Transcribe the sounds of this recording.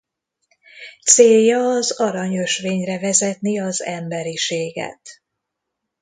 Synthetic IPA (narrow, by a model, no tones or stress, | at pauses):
t̪seːjːɒːzɒɾɒɲø̞ʃʋeːɲrɛvɛzɛt̪niɒzɛmbɛɾiʃeːɡɛ̰t̪